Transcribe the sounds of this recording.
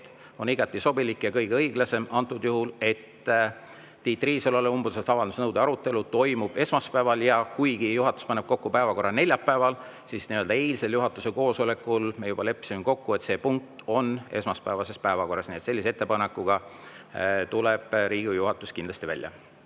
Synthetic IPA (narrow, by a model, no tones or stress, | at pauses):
t̪ | o̞niɡ̥ɑt̪ːˑiso̞bilikːˑjɑkɤjɡ̥eɤiɡlɑse̞mɑnt̪ːˑud̪juɦule̞t̪ː | iːt̪ːˑriːseloleumbuset̪ɑvɑld̪usnɤwd̪eɑɾut̪ːˑe̞lut̪o̞jmub̥e̞smɑspæːvɑljɑkujɡ̥ijuɦɑt̪ːˑu̥spɑne̞b̥ko̞kːupæevɑko̞rːɑne̞lʲjɑpːæevɑl | sisniø̞ld̪ɑe̞jlse̞ljuɦɑt̪ːˑuse̞ko̞ːso̞le̞kːˑulmejub̥ɑle̞pːˑsimiko̞kːue̞t̪se̞ːpuŋk̚t̪o̞ne̞smɑspæːvɑse̞spæevɑko̞rːɑsniet̪se̞lːisee̞t̪ːˑepɑne̞kːˑuɡ̥ɑ | t̪uleb̥ɾiːɡ̥ijuɦɑt̪ːˑuskind̪lɑst̪ivæ̰lʲːjɑ̰